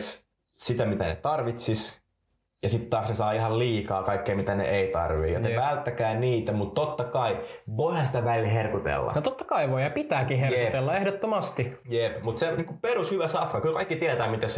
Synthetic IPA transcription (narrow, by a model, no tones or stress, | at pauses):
s | sit̪æmit̪ænḛt̪ɑrʋit̪sis | jɑsit̪t̪ɑːksnesɑːihɑlliːkɑːkɑikːeimit̪ænḛʔeit̪ɑ̰rʋḭːjo̰nepælt̪ːækæːniːt̪æmut̪t̪ːot̪ːɑkɑiʋoihɑsi̥t̪æʋælilherkut̪ḛlːɑ̰jot̪ot̪ːɑ̥kɑiʋoihɑpit̪æːkiherep̪elːɑehdot̪ːomɑst̪i | jepmut̪seniːkupeɾushyʋæsɑfkɑkylkɑikːit̪iæt̪æːmit̪æs